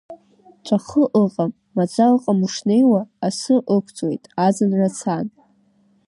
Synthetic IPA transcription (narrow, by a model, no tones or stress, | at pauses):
t͡ʃʷʼʰaχəʔəqʼamːad͡zalqʼamuʂne̞jwaːsɨʔəkʷʰt͡sʼwe̞̰jtʼazɨnrat͡sʰan